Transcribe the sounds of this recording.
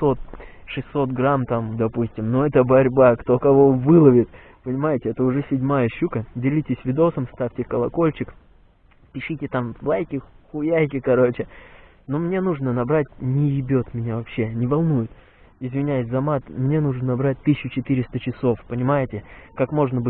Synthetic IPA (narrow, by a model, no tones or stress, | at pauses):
so̞t̪̚ʂɨsʲːo̞t̪̚ɡɾamt̪amd̪ɐpusʲtʲɪmnoɛt̪əbɐɾʲbakt̪okɐvo̞vɨlˠəvʲɪt̪ | pənʲɪmajɪtʲɪɛt̪əʊʐɛsʲɪdʲmajəɕːukədʲɪlʲitʲɪsʲvʲɪd̪o̞səmst̪afʲtʲɪkəlˠɐko̞lʲt͡ɕɪk | pʲɪʂɨtʲɪt̪amlˠajkʲɪxʊjæjk̬ʲɪkɐɾo̞t͡ɕɪ | nomnʲe̞nuʐnənɐbɾatʲnʲɪjɪbʲot̪mʲɪnʲavɐpɕːe̞nʲɪvɐlˠnujʊt̪ | ɪzvʲɪnʲæjɪsʲzɐmat̪mnʲe̞nuʐənnɐbɾat̚ʲt̪ɨsɕːʊt͡ɕɪt̪ɨɾʲɪst̪ət͡ɕɪso̞fpənʲɪmajɪtʲɪkakmo̞ʐnəbɨ